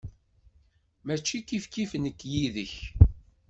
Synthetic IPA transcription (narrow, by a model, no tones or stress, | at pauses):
mæt͡ʃːikifkifənəkːjiðəç